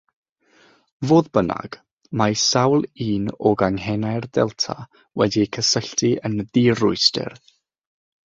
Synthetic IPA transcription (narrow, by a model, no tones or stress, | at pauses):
voːðbəna̰ɡ̥ | majsawlˠiːnɔɡaŋhɛnajrdɛ̰lˠtʰa | wɛdikʰəsəɬtiənðiːrʊɨstɪ̰r